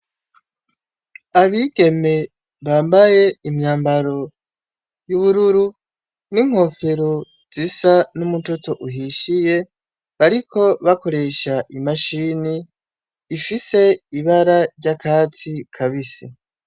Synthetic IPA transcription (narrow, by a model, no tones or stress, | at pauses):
aβiːɡe̞me̞ | βaːmbaje̞imɲaːmbaɾo̞ | juβuɾuɾu | niŋ̥ho̞feɾo | z̥isanumuto̞to̞ʔuɦiʃije̞ | βaɾikʰo̞βako̞ɾe̞ʃaʔimaʃiniː | fise̞iβaɾaɾɟakʰaːt͡sikʰaβisi